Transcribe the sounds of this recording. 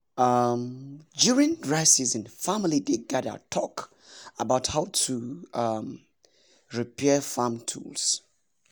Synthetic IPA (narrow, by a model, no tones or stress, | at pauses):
amd͡ʒɔɹĩndɹaɪsizɨ̃nfamɪlideɡadə̰tʰɔk | əbaʊthaʊtʰuam | ɹipʰɛfamtʰṵls